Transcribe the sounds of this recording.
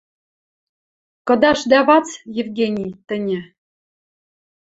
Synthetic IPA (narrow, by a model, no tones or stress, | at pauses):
kɤ̆d̪ɑʃd̪æβɑt͡sjɘ̆vɡʲenʲijt̪ɘ̆nʲĕ